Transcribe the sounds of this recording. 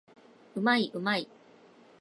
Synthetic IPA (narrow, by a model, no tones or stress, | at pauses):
ɯ̟maiʔɯ̟mai